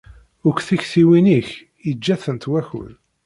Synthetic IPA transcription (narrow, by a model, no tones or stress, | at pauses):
ʊkθiçθiwiniç | jəd͡ʒːæθənt̪wæçʊ̰l